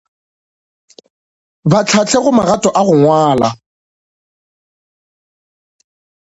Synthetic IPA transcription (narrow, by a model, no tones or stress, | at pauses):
bat͡ɬʰat͡ɬʰeɣʊmaɣatʼɔʔaɣʊŋwaːla